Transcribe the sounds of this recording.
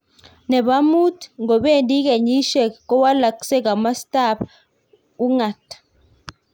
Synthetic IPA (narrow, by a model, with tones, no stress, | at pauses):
nɛ˨ba˦mu˦tŋɡɔ˨ɓe˦˨ndi˦ke˨ɲi˦ʃɛ˦˨kɔ˦wa˦la˨ki̥˨sɛ˦ka˨ma˦sta˦˨p | u˦ŋa˨tḁ˨